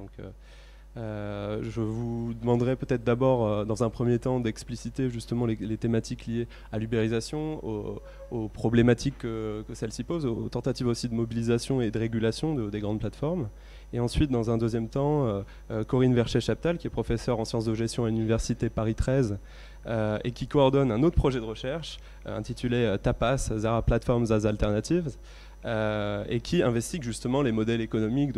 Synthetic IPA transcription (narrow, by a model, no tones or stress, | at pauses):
d̪ɔ̃kø̰ | øʒəvud̪əmɑ̃d̪ʁɛpøt̪ɛt̪χd̪abɔʁød̪ɑ̃zɛ̃pχəmjet̪ɑ̃d̪ɛksplisit̪eʒyst̪əmɑ̃lelet̪emat̪ʰiklije | alybeʁizasjɔ̃o̰ | opχɔblemat̪ikːəkəsɛlsipozot̪ɑ̃t̪at̪ivosid̪əmɔbilizasjɔ̃ed̪əʁeɡʲylasjɔ̃d̪əd̪eɡʁɑ̃d̪plat̪fɔʁm | eɑ̃sɥit̪̚d̪ɑ̃zɛ̃d̪øzjɛmt̪ɑ̃ø | økɔʁinvɛʁʃɛʃapi̥t̪alkʲiɛpχɔfɛsœʁɑ̃sjɑ̃sd̪əʒɛst̪jɔ̃alynivɛʁsit̪epaʁit̪χɛz | øekʲikɔɔʁd̪ɔnɛ̃not̪χəpχɔʒɛd̪əʁəʃɛʁʃ | ɛ̰̃t̪it̪ʰyleøt̪apaszaʁaplat̪fɔʁmzazalt̪ɛʁnat̪iv | øḛkʲʰiɛ̃vɛst̪iɡʒyst̪əmɑ̃lemɔd̪ɛlekɔnɔmik̚d̪